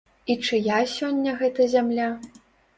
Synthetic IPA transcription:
it͡ʂɨjasʲɔnʲːɐɣɛt̪ɐzʲamlʲa

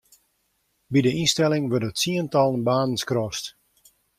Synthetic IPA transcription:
bidəʔinstɛlˠɪŋʋørdətsiəntɑlˠənbaːnən̩skrɔst

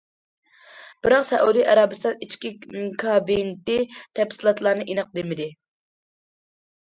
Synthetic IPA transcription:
b̥ɨɾɑqsɛ̰ʔud̪iʔɑɾɑbɨst̪ɑnit͡ʃkʲikʰɑbint̪ɪt̪ʰɛpsɨlˠɑt̪lˠɑɾnɨʔinɨq̚d̪emɪd̪ɪ

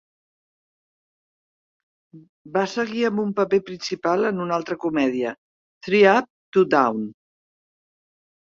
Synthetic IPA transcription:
basəɣiəmbumpəpepɾinsipalˠənunalˠt̪ɾəkumɛðiə | θɾiap̚t̪ud̪awn

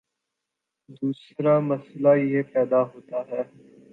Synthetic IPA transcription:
d̪uːsɾamɐslajɦepɛːd̪aɦoːt̪aɦɛː

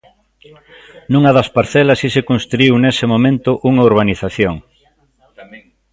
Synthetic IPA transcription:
nũŋɐðɐspaɾθɛlɐsisekonst̪ɾuiwnesɪmomẽnt̪ʊʔuŋɐuɾβaniθaθjoŋ

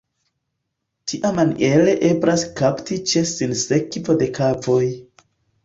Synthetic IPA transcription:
tʰiʔamaniʔele̞ʔebɾaskaptit͡ʃe̞sinse̞kvo̞de̞kʰavoj

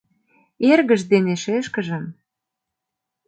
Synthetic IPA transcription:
erɣə̆ʒd̪eneʃeʃkə̆ʒə̆m

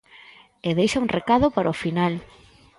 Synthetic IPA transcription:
eðejʃauŋrʔekaðopaɾaofinal

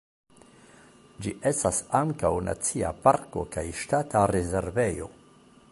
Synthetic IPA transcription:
d͡ʒiʔe̞stasaŋkawna̰t͡sia̰paɾko̞̰kajʃtataɾeze̞ɾve̞jo̞̰

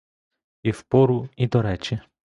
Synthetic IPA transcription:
ifpɔɾuid̪ɔɾɛt͡ʃi

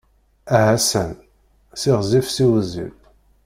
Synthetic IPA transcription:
æɦæsən | siʁzifsiwzḭl

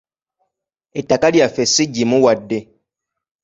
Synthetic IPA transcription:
etakaljafesiɟimuwadːe

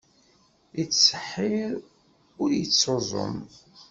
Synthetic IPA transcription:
it͡sːsəħːɪɾ | ʊɾjət͡sːozˤo̰m

